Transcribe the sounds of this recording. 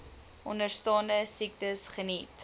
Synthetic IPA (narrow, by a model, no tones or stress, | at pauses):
ʔɔnərstɑːndəsik̚təsχənit